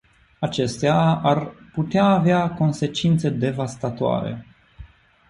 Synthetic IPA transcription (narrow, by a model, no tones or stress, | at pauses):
at͡ʃe̞st̪eaarput̪eaːveako̞nse̞t͡ʃint̪se̞d̪e̞vast̪at̪oa̰ɾḛ